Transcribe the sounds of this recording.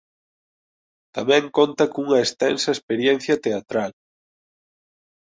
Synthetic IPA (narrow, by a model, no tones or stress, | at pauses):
t̪amɛ̃ŋkont̪ɐkuŋɐest̪ɛnsɐespeɾjɛn̟θjɐt̪eat̪ɾal